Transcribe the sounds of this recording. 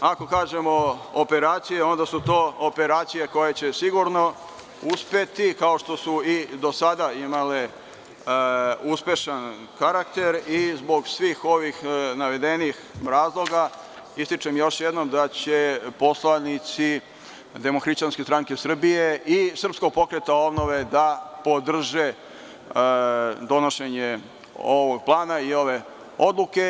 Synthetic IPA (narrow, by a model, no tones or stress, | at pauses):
ako̞kaːʒe̞moope̞ɾaːt̪sije̞o̞nd̪asut̪o̞ːope̞ɾaːt̪sije̞ko̞je̞t͡ɕe̞siɡuɾno̞ | uspe̞t̪ikao̞ʃt̪o̞suid̪o̞sad̪aimale | uspe̞ʃan | kaɾakt̪e̞ɾizbo̞ɡsʋiːxo̞ʋixnaʋe̞d̪e̞nixɾaːzlˠo̞ɡa | ist̪it͡ʂemjo̞ʃjed̪no̞md̪at͡ɕe̞po̞slanit̪si | d̪emoxɾiʃt͡ɕanskʲe̞st̪ɾaŋke̞sr̩bijeʔisr̩psko̞ɡ̚po̞kɾet̪ao̞bno̞ʋe̞d̪apo̞d̪r̩ʒe | d̪o̞no̞ʃe̞ɲe | oʋoɡ̚plˠaːnaio̞ʋe̞ | o̞d̪luke̞